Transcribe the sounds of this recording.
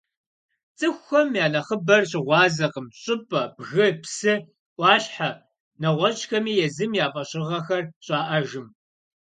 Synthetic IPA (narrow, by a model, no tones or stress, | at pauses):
t͡sʼɨxʷxɐmjaːnɐχəbɐrɕɪʁʷɑːzɐqəmɕʼɪpʼɐbɣɨpsɨ | ʔʷɑːɕħa | nɐʁʷɔt͡ʃʼxɐmiːjɛzɨmjaːfʼɐɕʼɪʁɐxɐrɕʼɑːʔɐʒɨm